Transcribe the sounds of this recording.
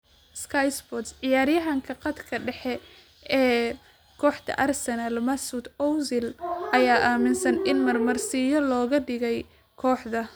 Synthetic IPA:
skʰajsbɔt̪sʕɪjaːɾjɐɦɐŋkʰɐqɑd̪kʰɐɖɛħɛ | ʔɛː | kʰɔːħd̪ɐ̰ʔɐrsɐnɐlmɐsud̪ɔwzɪlʔɐjaːʔaːmɪnsɐnɪnmɐrmɐrsɪjɔlɔːɣɐɖɪɣɛj | kʰɔːħd̪ɐ

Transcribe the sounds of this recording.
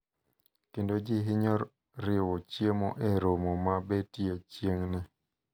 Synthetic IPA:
kendod͡ʒɪɦɪɲɔɾ | ɾɪwɔt͡ʃjemɔʔeɾomɔmabetiet͡ʃjeŋnɪ

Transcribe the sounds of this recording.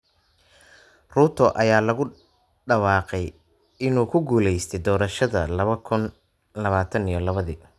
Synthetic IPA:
ruːt̪ʰɔʔɐjaːlɐɣʊ | ɖɐwɑːqɛj | ɪnuːkʰʊɡuːlɛjst̪ʰɛjd̪ɔːɾɐʃɐðɐlɐβɐkʰʊn | lɐβaːt̪ʰɐnijɔlɐβɐðḭː

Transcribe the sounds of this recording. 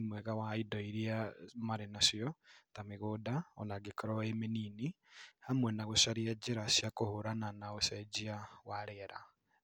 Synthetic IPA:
mwɛɣawaidɔiɾiamaɾenasiɔtameɣodaɔ̰naɡekɔɾɔemenini | hamwɛnaɣoʃaɾiɛd͡ʒeɾasjakohoɾananaosɛd͡ʒiawaɾeɾa̰

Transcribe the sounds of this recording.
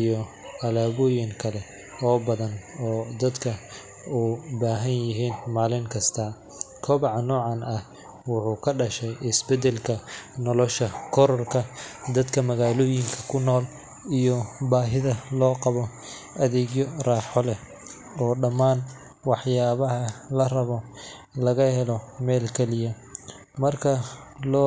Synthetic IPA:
ijɔ | ɐlaːβɔjɪŋkʰɐlɛ | ɔːbɐðɐnɔːd̪ɐd̪kʰɐ | ubaːɦɐnjɪɦiːnmaːlɪŋkʰɐst̪ʰɐː | kʰɔːβɑʕnːɔːʕɑnʔɐh | wʊħuːkʰɐɖɐʃɛjʔɪsbɛd̪ɛlkʰɐnɔlɔʃɐkʰɔɾɔrkʰɐd̪ɐd̪kʰɐmɐɣaːloːjɪŋkʰɐ̥kʰʊnɔːl | ijɔbaːɦɪðɐlɔːqɑβɔ | ʔɐðɛːɣjɔraːħɔlɛ | ɔːɖɐmːaːn | wɑħjaːβɐɦɐlɐrɐβɔ | lɐɣɐhɛlɔmɛːlkʰɛlɪjɐ | mɐrkʰɐlɔː

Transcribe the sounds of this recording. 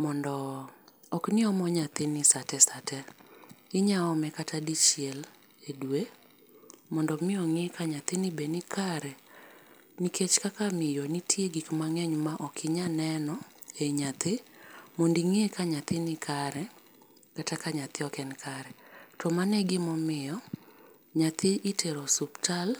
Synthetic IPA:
mɔndɔ | ɔknɪɔmɔɲat̪ɪnɪsatɛsatɛ | ɪɲaɔmɛkatʰadit͡ʃiɛl | edwe | mɔndɔmɪɔŋekʰaɲat̪ɪnɪbenɪkʰaɾɛ | nikʰet͡ʃkakamɪjɔnitʰjeɡikmaŋɛɲmaʔɔkʰɪɲanɛnɔeɲat̪ʰɪmondiŋekaɲat̪ɪnɪkʰaɾɛ | katakaɲat̪ɪɔkɛnkʰaɾɛtʰɔmanɛɡɪmɔmɪjɔ | ɲat̪ʰɪʔitʰeɾɔsuptal

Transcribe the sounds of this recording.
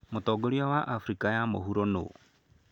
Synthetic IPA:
mot̪ɔːɡoɾiawaʔafɾikajamo̰ɦuɾono̰

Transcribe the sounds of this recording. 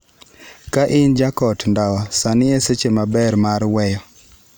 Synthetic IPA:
kaʔɪnd͡ʒakɔtndawɔsanɪeset͡ʃemabɛɾmaɾwɛjɔ

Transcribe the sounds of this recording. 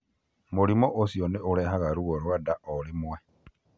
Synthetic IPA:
mulimoʔosioneʔoleɦaɣaɾuɣoɾwadaʔolimwe

